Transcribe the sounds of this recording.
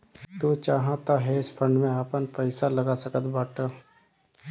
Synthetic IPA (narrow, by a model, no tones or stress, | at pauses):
t̪uːt͡ʃaːɦãt̪aɦɛɪspʰə̃ɳɖmẽaːpənpəɪsalɐɡasəkət̪baːʈa